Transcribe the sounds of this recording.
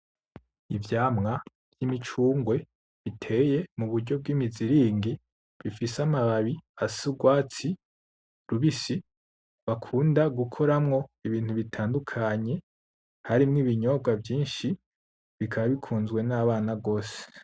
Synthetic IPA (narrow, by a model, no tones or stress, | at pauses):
ivjaːmŋa | jimit͡ʃuːŋɡwe̞ | βitʰe̞je̞muβuɾɟo̞b̚ɡiːmiziɾiːŋɡi | βifisamaβaβiasuɡwaːt͡si | ɾuβisi | βakʰuːndaɡukʰo̞ɾamŋo̞iβiːn̥huβitʰaːndukʰaɲe̞ | haɾimŋiːβiɲo̞bɡavjiːnʃi | βikʰaβaβikʰuːnzɡwe̞naβaːnaɡo̞ːse̥